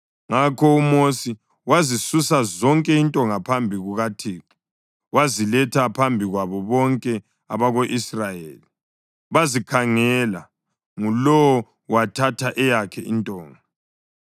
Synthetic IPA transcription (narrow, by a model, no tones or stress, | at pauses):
ŋakʰɔumosi | wazisusazɔŋkʼɛintʼɔŋapʰambʱiɣuɣatʰeːǁi̥ | wazilɛtʰapʰambʱiɣwaβɔβɔŋkʼɛ | aβaɣoʔisrajeːli | βazikʰaŋɛla | ŋulɔwɔ | watʰatʰaʔɛjakʰɛʔintʼɔːŋa